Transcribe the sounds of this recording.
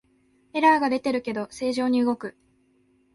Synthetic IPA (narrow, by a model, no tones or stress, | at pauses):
e̞ɾaːɡad̪e̞t̪e̞ɾɯ̟ke̞d̪o̞se̞ːʑo̞ːɲ̟iɯ̟ɡo̞kɯ̟